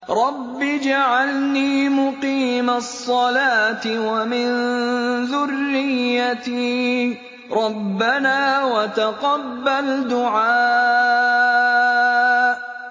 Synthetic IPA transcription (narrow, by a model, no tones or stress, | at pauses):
ɾˤɑbːid͡ʒaʕalniːmʊqiːmasˤːɑlaːt̪ɪwamɪnðʊrːɪjːat̪i | ɾˤɑbːanaːwat̪aqɑbːald̪ʊʕaː | ʔ